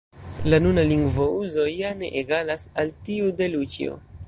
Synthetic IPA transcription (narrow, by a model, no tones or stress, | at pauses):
lanunaliŋɡvouzo̞jane̞̰ʔeɡalasaltiude̞lut͡ʃḭo̰